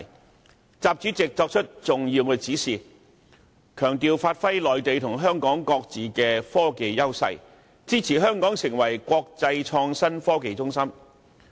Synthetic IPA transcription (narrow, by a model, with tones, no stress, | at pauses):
t͡saː˨p̚t͡ʃyː˨˥t͡sɪ˨k̚t͡ʃɔː˧k̚t͡ʃʰɵ˥t̚t͡sʊ˨ŋjiː˧wkɛː˧t͡siː˨˥siː˨˩ | kʰœː˨˩ŋt̪iː˨wfaː˧t̚fɐ˥jlɔː˨jt̪e˨jt̪ʰʊ˨˩ŋɦœː˥ŋkɔː˨˥ŋkɔː˧k̚t͡siː˨kɛː˧fɔː˥ke˨jjɐ˥wsɐ̰˧˥j | t͡siː˥t͡sʰiː˨˩ɦœː˥ŋkɔː˨˥ŋsɪ˨˩ŋwɐ˨˩jkʷɔː˧k̚t͡sɐ˧jt͡ʃʰɔː˧ŋsɐ˥nfɔː˥ke˨˧jt͡sʊ˥ŋsɐ˥m